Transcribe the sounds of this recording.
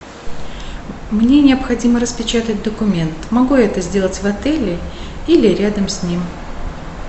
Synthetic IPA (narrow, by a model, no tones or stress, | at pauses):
mnʲenʲɪɐpxɐdʲiməɾəspʲɪt͡ɕat̪ət̚ʲd̪əkʊmʲe̞nt̪mɐɡujaɛt̪əzʲdʲe̞lˠətʲvɐt̪ɛlʲɪ | ilʲɪɾʲad̪əmsʲnʲim